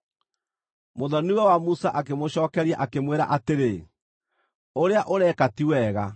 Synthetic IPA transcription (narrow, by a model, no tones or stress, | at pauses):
moðɔniwɛwamusaʔakemoɕɔːkɛɾiaʔakemweɾa̰ʔateɾe | oɾeaʔoɾɛkatiwɛɣa